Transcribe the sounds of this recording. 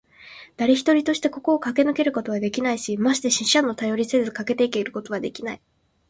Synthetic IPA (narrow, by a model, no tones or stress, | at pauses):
d̪̥aɾʲe̞çi̥t̪o̞ɾʲit̪o̞ɕi̥t̪e̞ko̞ko̞ːkake̞nɯ̟ke̞ɾɯ̟ko̞t̪o̞βad̪e̞kʲinaiɕimaɕi̥t̪eɕiɕãnːo̞t̪ajo̞ɾʲise̞zɨkake̞t̪e̞ike̞iɾɯ̟ko̞t̪o̞β̞ad̪e̞kʲinai